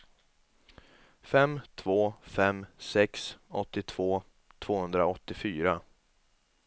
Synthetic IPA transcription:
fɛmt̪ʰvoːfɛmsɛksɔt̪ːɪt̪ʰv̥oː | t̪ʰv̥oːhɵnd̪ɾaɔt̪ːɪfyːɾa

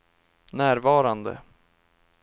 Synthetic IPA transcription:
næːɾvɑːɾand̪ə̰

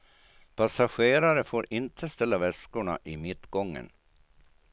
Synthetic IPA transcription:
pʰasaɧeːɾaɾəfoːɾɪnt̪ʰəst̪ɛlːavɛskʊɳa̰ʔɪmɪt̪ːɡɔŋːə̰n

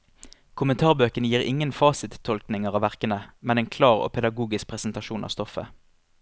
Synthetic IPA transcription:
kʰʊmənt̪ʰɑːʁbøːkənəjiːʁɪ̰ŋənfɑːsɪt̪ʰːɔlknɪŋəʁɑːʋæʁkənəmɛnɛeːnkʰlɑːʁo̰ːpʰɛd̪ɑɡuːɡɪsk̚pʰʁɛsn̩t̪ɑʃuːnɑ̰ːst̪ɔfə̰

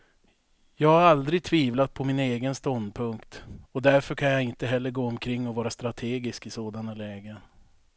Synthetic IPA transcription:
jɑːɡhaɾald̪ɾɪɡ̚t̪ʰviːvlat̪̚pʰɔmɪneːɡənst̪ɔnd̪pʰɵŋkt̪ɔd̪æɾfœɾkʰanjaɪnt̪əɦɛlːəɾɡoːɔmkʰɾɪŋːɔvɑːɾast̪ɾat̪ʰeːɡɪskɪsoːd̪analɛːɡən

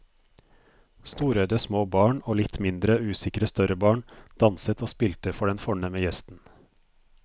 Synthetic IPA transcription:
st̪uːɾœʏd̪əsmoːbɑːɳoːlɪt̪mɪnd̪ɾəʉːsɪkɾəst̪œɾəbɑːɳd̪̥ɑnsət̪ʰoːspɪlt̪əfɔɖɛnfɔɳɛməjɛst̪n̩

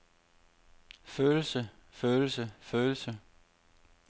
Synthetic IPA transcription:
føːl̩səføːl̩səføːl̩sə

